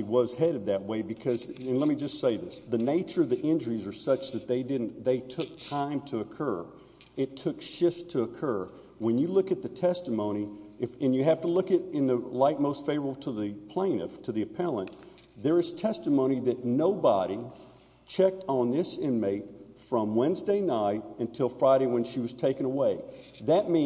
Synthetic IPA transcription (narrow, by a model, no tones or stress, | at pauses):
wʌz̥hɛɾɨd̪̚ðɨt̚weɪbɨkʰʌzɨ̃nlɛt̚mid͡ʒʌstseɪðɪsðɨneɪt͡ʃə˞ʌvðiʔɪ̃nd͡ʒə˞izə˞sʌt͡ʃðɨt̪̚ðeɪdɪdⁿn̩ðeɪtʰʊk̚tʰãɪ̃mtʰɨːkʰɜ˞ | ɨtʰʊkʃɪftʰɨːkʰɜ˞ | wə̃njɨlʊkɨt̪̚ðɨtʰɛstəmõʊ̃ɾ̃iɨfɨ̃njɨɦæftəlʊkɨɾɨ̃nðɨlaɪt̚moʊstfeɪvə˞əbl̩ˠtʰəðɨpʰl̥ẽɪ̃nɨ̰ftʰɨðiɨpʰɛlˠə̃n | ðə˞ɨz̥tʰɛstəmõʊ̃ñiðɨtⁿnoʊbɑɾi | t͡ʃʰɛk̚tn̩ðɪsɪ̃nmeɪt̚ | fɹʌ̃mwɛ̃nzdeɪnaɪɾɨ̃ntʰɪlˠfɹaɪɾeɪwɨ̃nʃiwʌz̥tʰeɪkɨ̃nəweɪ | ðɨt̚mĩ